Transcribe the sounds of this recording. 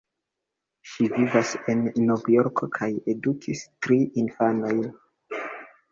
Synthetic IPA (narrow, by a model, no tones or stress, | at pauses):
ʃivivase̞nːovjo̞ɾkokʰaje̞dukʰistɾiʔinfano̞jn